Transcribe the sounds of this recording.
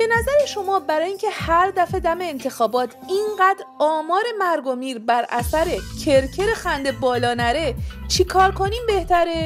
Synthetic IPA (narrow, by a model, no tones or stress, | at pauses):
b̥e̞næzæɾeʃo̞mɒːbæɾɒːjiːŋcʰe̞hæɾd̪æfe̞d̪æme̞ːnt̪ʰe̞xɒːbɒːt̪ʰinɢæːd̪ɾɒːmɒːɾe̞mæɾɡo̞miːɾbæɾʔæ̰sæɾe̞cʰeɾcʰe̞ɾexænd̪e̞bɒːlɒːnæɾet͡ʃʰikʰɒːɾkʰo̞niːmbe̞ht̪ʰæɾe